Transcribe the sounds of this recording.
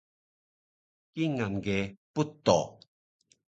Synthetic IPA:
kiŋanɡeput̪o̰

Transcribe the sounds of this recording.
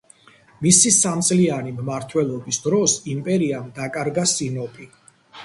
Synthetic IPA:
misisamt̪sʼlianimmaɾt̪ʰwɛlˠɔbisd̪ɾɔsimpʼɛɾiamd̪akʼaɾɡasinɔpʼi

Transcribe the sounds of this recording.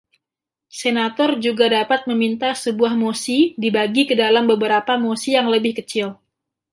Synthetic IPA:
senat̪ɔrd͡ʒuɡadapat̪̚məmint̪asəbuahmosidibaɡikədalambəbəɾapamosijaŋləbɪhkət͡ʃɪl

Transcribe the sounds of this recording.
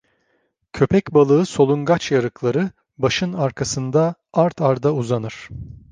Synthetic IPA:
cʰø̞pʰɛcbalˠɯɯso̞lˠunɡat͡ʃjaɾɯklˠaɾɯ | baʃɯnaɾkʰasɯnd̪aaɾt̪ʰaɾd̪auzanɯɾ̥

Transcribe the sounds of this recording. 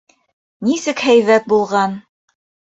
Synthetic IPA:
nisɘkhæjβæt̪̚bulˠʁɑn

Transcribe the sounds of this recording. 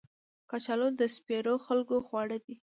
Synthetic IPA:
kɑt͡ʃɑlod̪əspeɾoxalkoxwɑɽəd̪i

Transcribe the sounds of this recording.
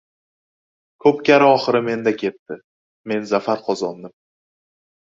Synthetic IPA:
kʰɵpkʲaɾɪɒχɨɾɪme̞nd̪akʲʰe̞t̪ːɪ | me̞nzafaɾqʰɒzɒnd̪ɪm

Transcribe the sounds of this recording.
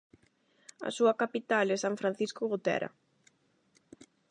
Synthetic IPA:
ɐ̰suɐkapit̪alesaɱfɾan̟θiskʊɣut̪ɛ̰ɾɐ̰

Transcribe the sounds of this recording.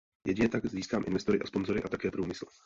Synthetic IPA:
jʔɛɟɲɛt̪aɡziːskaːmʔɪ̰nvɛst̪o̞ɾɪʔaspo̞nzo̞ɾɪʔat̪akɛːpɾuːmɪsl̩

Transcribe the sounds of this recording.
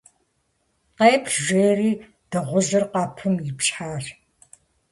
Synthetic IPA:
qeːpʰʒʷeːriː | d̥ɐʁʷʊʑɪrqɑːpʰɨmjɪpɕħaːr

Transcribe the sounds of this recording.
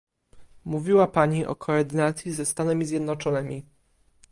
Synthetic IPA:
muvʲiwapaɲiʔɔ̰kʰɔːɾd̪ɘnat̪sʲjizɛst̪anɛmʲizʲjɛd̪nɔt͡ʂɔnɘmʲi

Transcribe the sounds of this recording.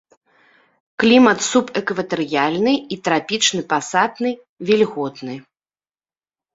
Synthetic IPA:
klʲimɐt̪supɛkvɐt̪ɛɾɨjalʲnɨit̪ɾapʲit͡ʂnɨpasad̪nɨ | vʲilʲɣɔt̪nɨ

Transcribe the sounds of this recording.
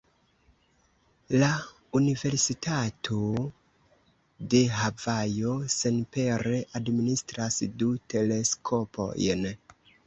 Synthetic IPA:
la | unive̞ɾsitʰatʰo̞ | de̞ɦavajo̞se̞npe̞ɾe̞ʔadministɾasdute̞le̞skʰo̞pʰo̞̰jn

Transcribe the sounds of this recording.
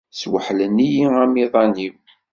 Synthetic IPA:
swəħlənːijiæmiðˤɑni

